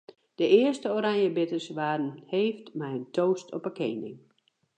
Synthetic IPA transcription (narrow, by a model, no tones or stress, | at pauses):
d̥əɪəstəoːɾaŋjəbɪtərsʋaːdn̩heːftmɛjəntʰoːstʰɔpəkeːnɪ̰ŋ